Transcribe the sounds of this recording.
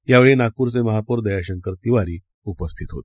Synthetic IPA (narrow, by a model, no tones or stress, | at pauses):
jaʋeɭenakuːɾt͡seməɦapoɾd̪əjaɕəŋkəɾt̪iʋaɾiː | upəst̪ʰit̪ɦot̪